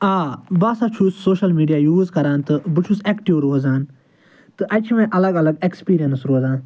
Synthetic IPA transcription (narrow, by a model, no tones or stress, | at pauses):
aːbaːsat͡ʃʰusːoːʃɐlmiːɖijaːjuːzkɐɾaːnt̪ɨbɨt͡ʃʰusekʈiʋɾoːzaːn | t̪ɨʔɐt͡ʃʰimẽʔɐlɐɡɐlɐɡekspiːɾijɐnsɾoːzaːn